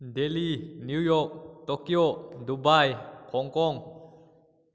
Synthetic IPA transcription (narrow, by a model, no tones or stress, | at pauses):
deliːnijɔːk̚t̪okiodubajkʰɔːŋkɔːŋ